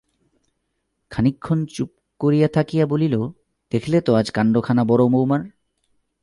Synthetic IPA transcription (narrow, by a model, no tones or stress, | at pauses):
kʰanikʰːont͡ɕup̚ | koɾijat̪ʰakijabolilo | d̪̥ekʰlet̪oad͡ʑkaɳɖokʰanabɔɾomowmaɾ